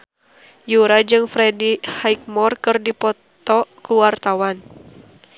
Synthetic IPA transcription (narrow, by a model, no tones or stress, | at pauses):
juɾad͡ʒɨŋfɾɛdihajk̚mɔrkɨrdipɔt̪ɔkuwart̪awan